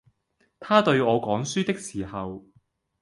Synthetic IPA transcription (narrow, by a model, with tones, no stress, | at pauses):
t̪ʰaː˥t̪ɵ˧ɥɔː˨˧kɔː˨˥ŋsyː˥t̪ɪ˥k̚siː˨˩hɐ˨w